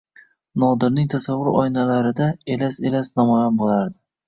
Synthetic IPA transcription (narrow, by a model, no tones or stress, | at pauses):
nɒd̪ɪɾnɪŋt̪ʰasavːʊɾɒ̰jnalaɾɪd̪aelaselasnɒmɒjanbolˠaɾd̪ɪ